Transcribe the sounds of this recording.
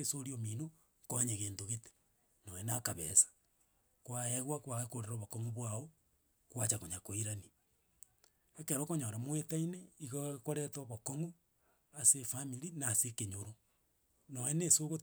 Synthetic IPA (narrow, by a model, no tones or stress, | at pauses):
esoɾiomino | koɲeɣeːndoɣete̥ | noenakaβḛsḁ | kwaeɣwakwaɣekoɾeɾoβokoŋuβwao | kwat͡ʃakoɲakoiɾani | ekeɾokoɲoɾamwetaineiɣokoɾɛtoβokoŋu | asefamiɾinaːsekeɲoɾo | noenesoɣo